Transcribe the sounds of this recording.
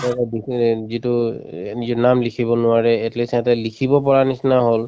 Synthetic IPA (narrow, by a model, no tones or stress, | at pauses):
ɛbizitʊnizɔnamlikʰibɔnʊaɹɛːtlesɛtɛlikʰibɔpɔɹanisnaɦol